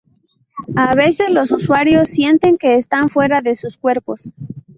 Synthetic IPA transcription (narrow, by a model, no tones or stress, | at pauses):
aβe̞se̞zlo̞suswaɾjo̞sːje̞nt̪e̞ŋke̞ːst̪anfwe̞ɾaðe̞suskwe̞ɾpo̞s